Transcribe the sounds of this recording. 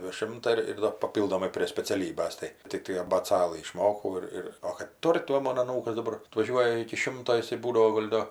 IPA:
dʲɛˈʃʲɪmtɐ ɪr ɪr ˈdɐr pɐˈpʲiːlˠdoːmɐɪ pʲrʲeː sʲpʲɛt͡sʲɛˈlʲiːbɐs ˈtɐɪ tʲɪkˈtɐɪ ɐbʲeːˈt͡sɑːlˠɨ ɪʃˈmoːkɐʊ ɪr ˈɪr oː kɐt ˈtʊrʲ tɐɪ ˈmoːn ɐˈnuːkɐs dɐˈbɐr ɐtʋɐˈʒʲuɔjɛ ɪkʲɪ ˈʃʲɪmtoː ɪˈsɐɪ ˈbuːdɐʋoː ˈɡoːlʲ doː

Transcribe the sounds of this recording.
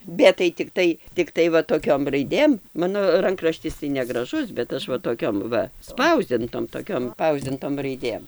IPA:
ˈbʲɛt tɐɪ tʲɪkˈtɐɪ tʲɪkˈtɐɪ ʋɐ toːˈkʲoːm rɐɪˈdʲeːm ˈmɑːnoː ˈrɐŋkrɐʃʲtʲɪs tɐɪ nʲɛɡrɐˈʒʊs bʲɛt ˈɐʃ ʋɐ toːˈkʲoːm ˈʋɐ ˈspɐʊzʲdʲɪntoːm toːˈkʲoːm ˈspɐʊzʲdʲɪntoːm rɐɪˈdʲeːm

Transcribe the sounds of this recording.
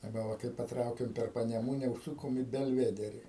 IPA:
ɐˈbɐ ˈʋɐ kɐɪ pɐˈtrɐʊkʲɛm pʲɛr pɐnʲɛˈmuːnʲɛ ʊʃˈsʊkoːm iː bʲɛlʲˈʋʲæːdʲɛrʲɪ

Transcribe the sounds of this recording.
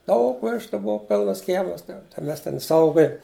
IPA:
ˈdɐʊk ˈʋʲæːʃtʊ ˈboːw ˈpʲɪlˠnɐs ˈkʲiɛmɐs tɐɪ ˈmʲɛs ˈtʲɛn ˈsɐʊɡoːjɛ

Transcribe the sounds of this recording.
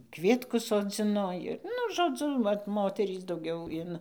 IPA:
ˈkʋʲiɛtkʊs soːˈd͡zʲɪnoː ɪr ˈnʊ ʒoːˈd͡zʊ ˈʋɐt ˈmoːtʲɛrʲiːs dɐʊˈɡʲɛʊ ɪn

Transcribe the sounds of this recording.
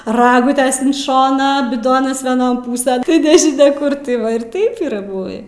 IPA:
ˈrɑːɡʊtʲɛs ɪn ˈʃoːnɑː bʲɪˈdoːnɐs ʋʲiɛˈnoːn ˈpuːsʲɛn tɐɪ nʲɛʒʲɪˈnʲɛ ˈkʊr tɐɪ ˈʋɐ ɪr ˈtɐɪp iːˈrɐ ˈbʊʋʲiː

